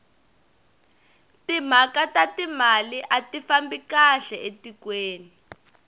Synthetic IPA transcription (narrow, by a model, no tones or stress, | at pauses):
tim̤akatatimaliʔatifambikaɬɛʔetikweːni